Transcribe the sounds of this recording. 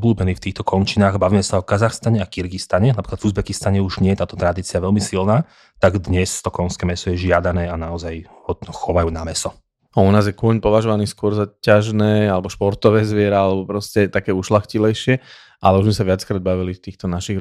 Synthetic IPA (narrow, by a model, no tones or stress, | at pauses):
ɔbluːbɛniːft̪iːxt̪ɔkɔnt͡ʃinaːɣbaʋiːmɛsaɔkazaxst̪aɲɛakiɾɡist̪aɲɛnapɾiklad̪vuzbɛkist̪aɲɛuʒɲɪɛjɛt̪aːt̪ɔt̪ɾad̪iːt͡siaʋɛlmisilnaː | t̪aɡd̪ɲɛst̪ɔkɔnskɛːmɛsɔjɛʒɪad̪anɛːanaɔzaj | hɔd̪nɔxɔʋajuːnamɛsɔ | aunaːzjɛkʊɔɲpɔʋaʒɔʋaniːskʊɔɾzacaʒnɛːalɛbɔʃpɔɾt̪ɔʋɛːzʋɪɛɾɛalɛbɔpɾɔscɛt̪akɛːuʃlaxcilɛjʃɪɛ | ʔalɛuʒmɛsaʋɪat͡skɾaːd̪̚baʋilift̪iːxt̪ɔnaʃiɣ